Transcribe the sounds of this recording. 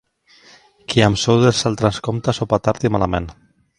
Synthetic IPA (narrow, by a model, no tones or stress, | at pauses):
kiamsowðelsalt̪ɾanskomt̪asopat̪aɾt̪imalamḛn